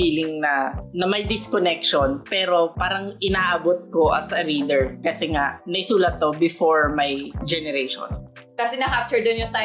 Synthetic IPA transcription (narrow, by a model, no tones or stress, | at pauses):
fiːlɪŋnɐnɐmɐjd̪ɪskonɛkʃonpɛːɾo̞paːɾɐŋʔɪnaʔaːbot̪̚ko̞ʔɐ̰sɐɾiːd̪ɛɹkɐsɛŋaʔnɐʔɪsuːlɐt̪̚ːobɪfoɹmajd͡ʒɛnɛɾeʃo̰nkɐsɛnɐɦap̚t̪ɛɹd̪onjʊŋt̪a